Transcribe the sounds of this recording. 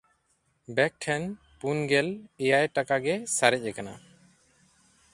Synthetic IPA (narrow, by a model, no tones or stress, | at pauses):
bɛk̚ʈʰɛn | punɡɛlɛjajʈakaɡɛsaɾɛc̚ɛkana̰